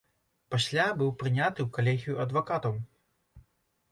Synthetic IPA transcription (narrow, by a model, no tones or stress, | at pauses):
pasʲlʲabɨwpɾɨnʲat̪ɨwkalʲɛɣʲijuɐd̪vakat̪ɐw